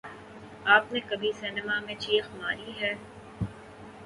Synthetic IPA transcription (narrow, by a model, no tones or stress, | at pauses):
aːpnekɐbʱiseːnəmamẽt͡ʃiːxmaːɾiɦɛː